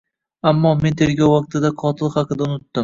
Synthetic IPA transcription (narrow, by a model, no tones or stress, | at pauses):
amːɒme̞nt̪ʰeɾɡʲɒwːɒq̚t̪ʰɪd̪aqʰɒt̪ʰɪlˠχɑqɨd̪aʊnʊt̪ːɪm